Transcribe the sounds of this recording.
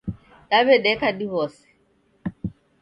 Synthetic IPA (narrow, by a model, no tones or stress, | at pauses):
daβɛɗɛkadiβɔsɛ̥